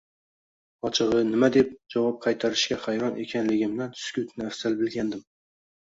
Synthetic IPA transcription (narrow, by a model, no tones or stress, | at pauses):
ɒt͡ʃʰɨʁɨnɪmad̪e̞p̚d͡ʒɒvɒp̚qʰɑjt̪ʰaɾɪʃkʲaχajɾɒnʔe̞kʲʰanlɪɡʲɪmnant̪ʰʊ̥skʲʊt̪ʰnɪafsalbɪlɡʲand̪ɪm